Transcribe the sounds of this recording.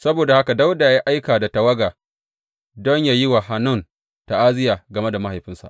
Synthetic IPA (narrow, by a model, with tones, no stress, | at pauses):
sɐ˦boː˨da˨ha˦ka˨da˦wda˨ja˦ji˦ʔa˦jkaː˨da˨ta˨wɐ˦ɡaː˨ | dɔ˦ɲjaː˨ji˦wa˨ɦa˦nʊ˦˨n | ta˨ʔaː˦zɪ˦jaː˨ɡɐ˨me˦da˨ma˦ha˨jɸɪ˦nsa̰˨ʔ